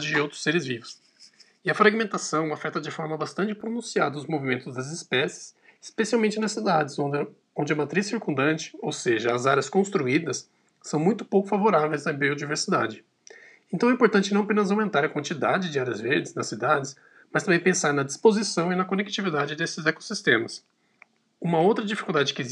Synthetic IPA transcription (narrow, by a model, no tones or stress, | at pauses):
d͡ʒɪd͡ʒɪowt̪ɾʊ̥sːeɾɪzvivʊs | ɪɐfɾaɡimẽnt̪asɐ̃w̃afɛt̪ɐd͡ʒɪfɔɾmɐbast̪ɐ̃nt͡ʃɪpɾonũsiad̪ɐʊzmovimẽnt̪ʊzd̪ɐzɪspɛsɪ̥s | spesiawmẽnt͡ʃɪnɐssid̪ad͡ʒɪz̃ | õnd͡ʒɪɐmat̪ɾisːiɾkũnd̪ɐ̃nt͡ʃɪ̥owseʒɐːzaɾjɐskõst̪ɾuid̪ɐsː | ɐ̃w̃mũj̃t̪ʊ̥powkʊfavoɾavejzɐbiod͡ʒiveɾsid̪a̰d͡ʒɪ | ẽnt̪ɐ̃w̃ɛĩpoɾt̪ɐ̃nt͡ʃɪnɐ̃ɐpẽnɐzaw̃mẽnt̪aɾɐkwɐ̃nt͡ʃid̪a̰d͡ʒɪd͡ʒɪaɾiɐzveɾd͡ʒɪznɐsːid̪ad͡ʒɪs | mɐst̪ɐ̃bẽj̃pẽsaɾnɐd͡ʒispozisɐ̃w̃ɪnɐkonek̚t͡ʃivid̪ad͡ʒɪd̪esɪzɛko̥sist̪ẽmɐs | ũmɐowt̪ɾɐd͡ʒifi̥kuwˠd̪ad͡ʒɪkɪ